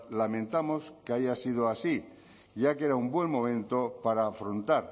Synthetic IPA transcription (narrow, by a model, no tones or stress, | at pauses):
lamẽ̞nt̪amoskeaʝasið̞oasi | ʝakeɾaumbwe̞ŋmõmẽ̞nt̪opaɾaːfɾont̪aɾ